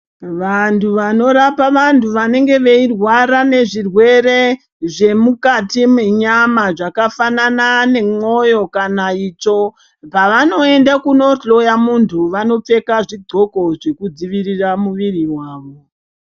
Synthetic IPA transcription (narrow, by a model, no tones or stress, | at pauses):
ʋantʰuʋano̞ɾapaʋantuʋane̞ŋɡe̞ʋe̞irwaɾane̞ʐirwe̞ɾe̞ | ʐe̞mukatimweɲamaʐakafananane̞mo̞jo̞kanait͡ʃo̞ | paʋano̞endakuno̞ɬo̞jamuntʰuʋano̞p͡fe̞kaʐidʱo̞ko̞ʐe̞kud͡ziʋiriramuʋiriwaːʋo